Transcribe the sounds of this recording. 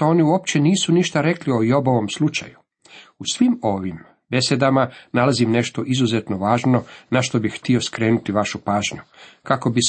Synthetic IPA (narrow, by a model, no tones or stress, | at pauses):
o̞ːniuop̚t͡ɕeniːsuniʃt̪aɾe̞klio̞jo̞boʋo̞mslˠut͡ʃa̰ju | usʋimo̞ʋim | be̞sed̪amanalazimne̞ʃt̪o̞ʔizuzet̪no̞ʋaːʒno̞naʃt̪o̞bixxːt̪io̞skɾe̞ːnut̪iʋaʃupaːʒɲukako̞bi